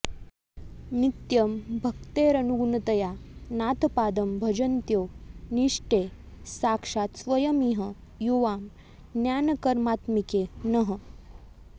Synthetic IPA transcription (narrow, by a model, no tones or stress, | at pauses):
nit̪jɐmbʱɐk̚t̪eɾɐnuɡunɐt̪ɐjanaːt̪paːd̪ɐmbʱɐd͡ʒɐnt̪joːniʂʈe | saːkʂaːt̪sʋɐjɐmiɦə | juʋaːm | njaːnɐkɐɾmaːt̪mikenəɦə